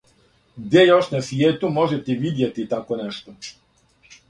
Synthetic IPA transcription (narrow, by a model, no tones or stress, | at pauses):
ɡd̪jejoʃnasʋjeːt̪umoʒɛt̪ɛʋid̪jet̪it̪akonɛʃt̪o